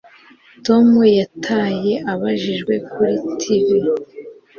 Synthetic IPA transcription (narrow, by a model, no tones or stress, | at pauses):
to̞mujatʰaːje̞ʔaβaʒiʒɡwe̞kuɾitʰivi